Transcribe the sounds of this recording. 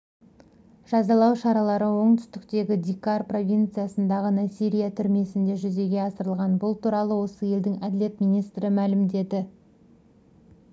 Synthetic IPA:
ʒ̥ɑzɑlˠɑwʃɑɾɑlˠɑɾəwo̞ɴt̪ʰʏ̥st̪ɪkt̪e̞ɡʲɪd̪ʲikarpro̞vʲijnt̪sɨijasənd̪ɑʁənɑsiɾʲijat̪ʰʏɾme̞sɪnd̪e̞ʒʏze̞ɡʲe̞ɑsəɾəlˠʁɑnbʊlˠt̪ʰuɾɑlˠəwo̞səje̞ld̪ɪŋɑd̪ɪlʲe̞t̪mijnijst̪ɾəmælɪmd̪e̞d̪ɪ

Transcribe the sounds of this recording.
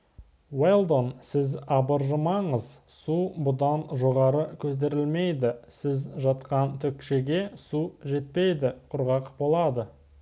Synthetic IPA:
wejlˠd̪o̞nsɪzɑbəɾʒəmɑɴəz | subʊd̪ɑnʒo̞ʁɑɾəkʲʰɵt̪̬e̞ɾɪlme̞jd̪ɪsɪzʒɑt̪qɑnt̪ʰʏkʃeɡʲe̞suʒe̞t̪̚pe̞jd̪ɪqʰʊɾʁɑqbo̞lˠɑd̪ə

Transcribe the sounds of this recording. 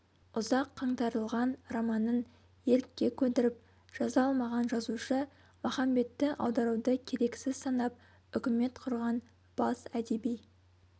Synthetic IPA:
ʊzɑqʰːɑɴt̪ɑɾəlˠʁɑnrɑmɑnən | je̞ɾɪkʲːe̞kʲʰɵd̪ɪɾɪp̚ | ʒ̥ɑzɑɑlˠmɑʁɑnʒɑzuʃə | mɑχɑmbe̞t̪ːɪʔɑ̰wd̪ɑɾud̪əkʲʰe̞ɾe̞kʲsɪzsɑnɑp̚ | ʏkʲɪme̞t̪qʰʊɾʁɑn | b̥ɑsæd̪e̞bij

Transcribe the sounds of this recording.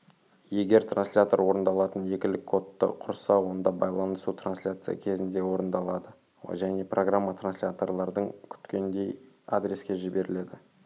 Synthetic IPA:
je̞ɡʲe̞ɾt̪ranslʲat̪o̞ɾwo̞ɾənd̪ɑlˠɑt̪ənje̞kʲɪlɪkʰːo̞t̪ːə̰qʰʊɾsɑwo̞nd̪ɑbɑjlˠɑnəsut̪ranslʲat̪sɨja̰kʲʰe̞zɪnd̪e̞wo̞ɾənd̪ɑlˠɑd̪ə | ʒæne̞prʔo̞ɡramːat̪ɾransʲlʲat̪o̞rlˠɑɾd̪əɴkʲʰʏ̥t̪kʲe̞nd̪e̞j | a̰d̪ɾʲe̞skʲe̞ʒɪbe̞ɾɪle̞d̪ɪ

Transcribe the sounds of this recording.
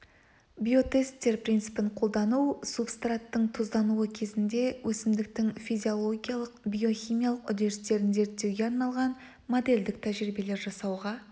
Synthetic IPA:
bʲijo̞t̪e̞st̪ːe̞ɾpɾʲinsɨ̥pɪɴqʰo̞lˠd̪ɑnuwsupst̪rat̪ːəɴt̪ʰozd̪ɑnuwəkʲʰe̞zɪnd̪e̞wʔɵsɪmd̪ɪkt̪ɪŋfijzʲio̞lˠo̞ɡʲijalˠəqbʲijo̞xʲijmijalˠəqʏd̪e̞ɾst̪e̞ɾɪnze̞ɾt̪ːe̞wɡʲe̞ɑɾnɑlˠʁɑn | mo̞d̪e̞ld̪ɪk̚t̪ʰæʒɾibe̞le̞ɾʒɑsɑwʁɑ

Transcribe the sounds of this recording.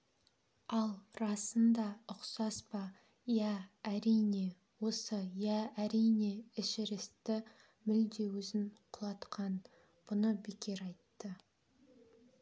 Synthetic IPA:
ɑlˠrɑsənd̪ɑʊqsɑspɑ | jæːɾijne̞ | wo̞səjæːɾijne̞ɪʃɪɾɪst̪ɪ | mɪld̪e̞wʏzɪɴqʰʊlˠɑt̪qʰɑn | b̥ʊnəbekʲe̞ɾɑjt̪ːə

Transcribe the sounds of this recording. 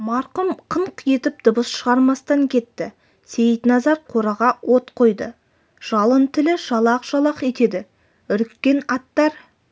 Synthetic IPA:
mɑɾqəmqʰəɴqje̞t̪ɪp̚d̪̥ʊbəsʃəʁɑɾmɑst̪ɑŋkʲʰe̞t̪ːɪ | se̞jət̪nɑzɑɾqʰoɾɑʁɑwot̪qʰo̞jd̪ə | ʒ̥ɑlˠənt̪ʰɪlɪʒɑlˠɑqʒ̥ɑlˠɑqe̞t̪e̞d̪ɪ | ʏɾkːʲe̞nɑt̪ːɑɾ

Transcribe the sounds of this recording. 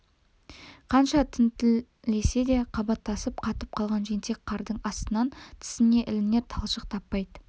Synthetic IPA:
qʰɑnʃɑt̪ʰʏnt̪ɪ | le̞se̞d̪e̞qʰɑbɑt̪ːɑsəp̚qʰɑt̪əp̚qʰɑlˠʁɑnʒent̪e̞k̚qʰɑɾd̪əɴɑst̪ənɑnt̪ʰɪ̥sɪne̞ʔɪlɪne̞ɾt̪ʰɑlˠʃəq̚t̪ʰɑpːɑjd̪ə

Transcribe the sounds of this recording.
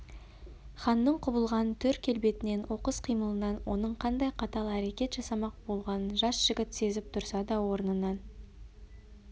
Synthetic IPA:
χɑnːəɴqʰʊbəlˠʁɑnt̪ʰʏɾkʲʰːe̞lbe̞t̪ɪne̞nwʔo̞qəsqʰijməlˠənɑnwʔo̞nəɴqʰɑnd̪ɑjqʰɑt̪ɑlˠæɾe̞kʲe̞t̪ʒ̥ɑsɑmɑq̚bo̞lˠʁɑnənʒɑsʒ̥ɪɡʲɪt̪se̞zɪp̚t̪ʰʊɾsɑd̪ɑwo̞ɾənənɑn

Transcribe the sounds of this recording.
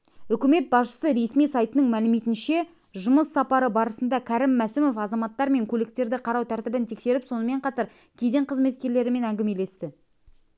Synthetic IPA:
ʏkʲɪme̞t̪̚bɑsʃə̥səɾe̞smijsɑjt̪ənəŋmælɪmet̪ɪnʃe̞ | ʒʊməsːɑpɑɾəbɑɾəsənd̪ɑkʲʰæɾɪmːæsɪmo̞fɑzɑmɑt̪ːɑɾme̞ŋkʲʰɵlɪkt̪e̞ɾd̪ɪqʰɑɾɑwt̪ʰæɾt̪ɪbɪnt̪ʰe̞kse̞ɾɪpso̞nəme̞ɴqʰɑt̪ɑɾ | kʲʰed̪e̞ɴqʰəzme̞t̪̚kʲe̞ɾle̞ɾɪme̞næŋɡʲɪme̞le̞st̪ɪ

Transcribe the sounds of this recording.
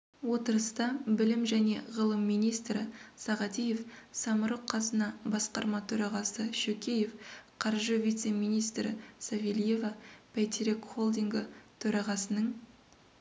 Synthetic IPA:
wo̞t̪əɾəst̪ɑbɪlɪmʒæne̞̰ʁəlˠəmːijnijst̪ɾɪsɑʁɑt̪ije̞fsɑməɾoqqʰːɑsənɑbɑsqɑ̰ɾmɑt̪ʰɵɾɑʁɑsəʃɵkʲe̞je̞fqʰɑɾʒəvʲijt̪se̞mijnijst̪ɾɪ̰savʲelije̞vɑpʰejt̪ɾekχo̞lˠd̪iŋɡət̪ʰɵɾɑʁɑsənəɴ

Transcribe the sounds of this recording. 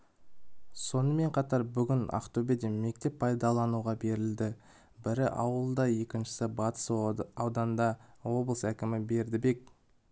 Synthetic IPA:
so̞nəme̞ɴqʰɑt̪ɑɾbʏɡʲɪna̰qt̪obed̪eme̞k̚t̪e̞ppʰːɑjd̪ɑlˠɑnuʁɑbe̞ɾɪld̪ɪ | bɪɾɪʔɑwəlˠd̪ɑje̞kʲɪnʃɪ̥sɪbɑt̪ə̥sɑwd̪ɑnd̪ɑwo̞blˠəsækʲɪmɪbe̞ɾd̪ɪbe̞k

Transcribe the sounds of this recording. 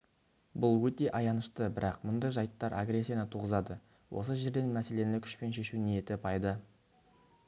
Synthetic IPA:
bʊlˠwɵt̪e̞ʔɑjɑnəʃt̪əbɪɾɑqmʊnd̪ɑjʒɑjt̪ːɑɾʔa̰ɡɾe̞sːijanət̪ʰuʁəzɑd̪ə | wʔo̞̰s̬əʒe̞ɾd̪e̞nmæse̞le̞nɪkʲʰʏ̥ʃpe̞nʃe̞ʃunejet̪ɪpʰɑjd̪ə

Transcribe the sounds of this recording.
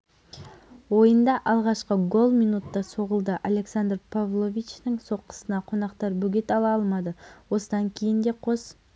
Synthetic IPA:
wo̞jənd̪ɑʔɑlˠʁɑʃqəɡo̞lˠmijnut̪ːɑso̞ʁəlˠd̪əʔalʲe̞ksand̪rpʰavlˠovʲit͡ʃnəŋso̞qːə̥sənɑqʰo̞nɑqt̪ɑɾbɵɡʲet̪ɑlˠɑɑlˠmɑd̪əwo̞səd̪ɑŋkʲʰe̞jɪnd̪e̞qʰo̞s

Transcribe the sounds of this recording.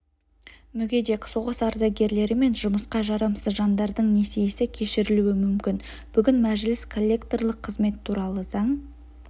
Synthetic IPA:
mʏɡʲe̞d̪eksoʁəsɑɾzɑɡʲe̞ɾle̞ɾɪme̞nʒʊməsqɑʒɑɾɑmsəzʒɑnd̪ɑɾd̪əɴne̞sijesɪkʲʰe̞ʃɪɾɪluwɪmʏmkʲɪnb̥ʏɡʲɪnmæʒɪlɪskʰo̞lʲːe̞kt̪o̞rlˠəqʰːəzme̞t̪ʰːuɾɑlˠəz̥ɑɴ

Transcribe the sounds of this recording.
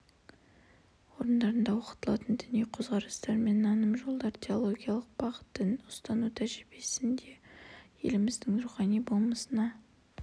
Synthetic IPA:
wo̞ɾənd̪ɑɾənd̪ɑwo̞qə̥t̪əlˠɑt̪ənd̪ʏnejqʰozʁɑɾəst̪ɑɾme̞nːɑnəmʒo̞lˠd̪ɑɾt̪ʰʲe̞olˠo̞ɡʲijalˠəq̚bɑʁə̥t̪ːənʊst̪ɑnut̪ʰæʒɪɾbesɪnd̪e̞je̞̰lɪmɪzd̪ɪŋnʊɾuχɑnijbo̞lˠməsənɑ

